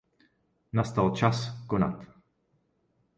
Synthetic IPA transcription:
nɐst̪ɐwt͡ʃɐskʊnɐ̰t̪ː

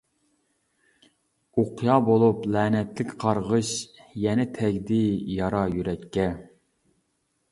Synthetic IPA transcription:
oqʰjɑːbolˠuplɛːnɛt̪lɪkʲqʰɑɾʁəʃjɛnɛt̪ʰɛɡʲd̪ɪjɑɾɑjyɾɛkʲːɛ

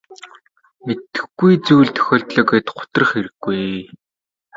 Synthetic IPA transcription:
met̪ɘ̥̆xɡujt͡suːɮt̪ʰœ̥xʲɔːɬt̪ɮɔ̆ːket̪χʊ̥t̪ə̆r̆χeɾɘ̆ɡːuj

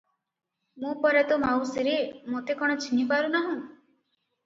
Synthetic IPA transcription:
mũpɔɾat̪ɔmawsiɾemot̪ekɔɽ̃ɔt͡ʃʰinipaɾunaɦũ

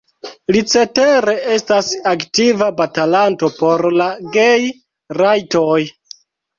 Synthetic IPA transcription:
lit͡se̞te̞ɾe̞e̞stasaktivabatalanto̞po̞ɾlaɡe̞j | ɾajtoj

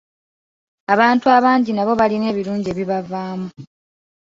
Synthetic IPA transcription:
aβaːntuaβaːɲɟinaβo̞βaline̞ːβiɾuːɲɟieːβiβavaːmu

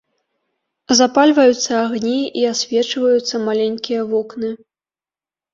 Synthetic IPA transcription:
zapalʲvɐjut̪sːɐːɣnʲiiasʲvʲɛt͡ʂvɐjut̪sːɐmalʲenʲkʲijɐvɔknɨ

